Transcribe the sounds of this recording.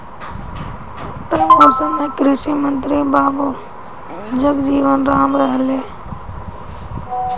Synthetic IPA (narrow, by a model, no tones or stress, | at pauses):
t̪ənoːsəmẽːkɾɪʃiːmənt̪ɾiːbaːboː | d͡ʒəɡd͡ʒiːʋənɾaːmɾəɦəleː